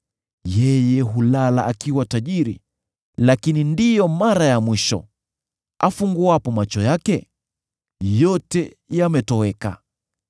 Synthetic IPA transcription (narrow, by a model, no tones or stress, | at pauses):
jɛjɛɦulalaʔakiwataʄiɾḭ | lakinindijɔmaɾajamwiʃɔ̰ | afuŋɡuapɔmat͡ʃɔjakɛ | jɔtɛ | jamɛtɔɛka̰